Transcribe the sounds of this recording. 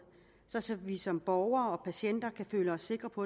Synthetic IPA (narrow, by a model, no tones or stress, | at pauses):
sɒ̽sɒ̽ʋisɒ̽mb̥ɒʊɐːɒ̽pʰæɕen̰d̥ɐkʰæfø̰ːləɒ̽sːe̝ɡ̥ʁɐpʰɒ